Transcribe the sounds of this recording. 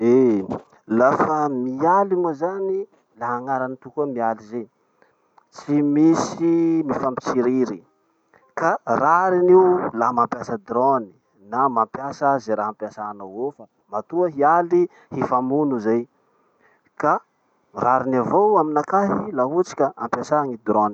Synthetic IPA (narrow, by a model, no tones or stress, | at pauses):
e | lafəmialimozani | laɦaŋaɾanit̪ukumialize | t͡simisimifampit͡siɾiɾi | karaɾiniwlamampjasəd̪ɾoni̥ | namampjasazeɾaɦampjasanowofə | mat̪uaɦiali | hifamunuzaj | ka | raɾinavowaminakaɦilaɦut͡si̥kʲaampjasaŋid̪ɾoni̥